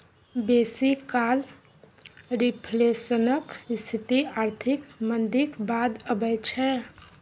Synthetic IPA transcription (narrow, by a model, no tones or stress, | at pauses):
besikal | ɾipʰlesənəkst̪ʰit̪iaɾt̪ʰikmənd̪ikbad̪əbəjt͡ʃʰɛ